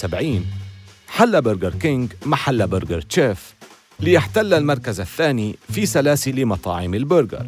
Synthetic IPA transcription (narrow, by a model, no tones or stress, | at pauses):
sabʕiːnħalːabɪɾɡɑɾˤkɪŋɡmaħalːabɪɾɡɑɾˤt͡ʃeːf | lɪjɪħt̪alːalmɑɾˤkazaθːaːnifisalaːsɪlimɑt̪ˤɑ̰ːʕɪmɪlbʊɾɡɑ̰ɾˤ